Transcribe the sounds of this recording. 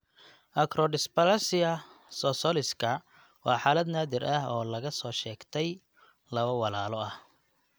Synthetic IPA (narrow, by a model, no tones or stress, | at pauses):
ʔɐkʰɾɔɖɪspɐlɐsɪɐsɔsɔlɪskʰɐ | wɑːħaːlɐd̪naːðɪɾʔɐhɔːlɐɣɐsɔːʃɛːɡt̪ʰɛj | lɐβɐwɑlaːlɔɐh